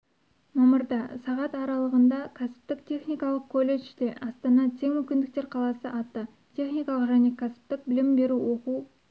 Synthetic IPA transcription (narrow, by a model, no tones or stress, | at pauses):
mɑməɾd̪ɑsɑʁɑt̪ɑɾɑlˠəʁənd̪ɑkʲʰæsɪ̥p̚t̪ɪk̚t̪ʰe̞χnijkɑlˠəq̚kʰolːe̞ʃd̪e̞ʔɑst̪ɑnɑt̪ʰe̞ŋmʏmkʲɪnd̪ɪk̚t̪e̞ɾqʰɑlˠɑsəʔɑt̪ːə | t̪ʰe̞χnijkɑlˠəqʒæne̞kʰʲasɪ̥p̚t̪ɪk̚bɪlɪmbe̞ɾuwo̞qu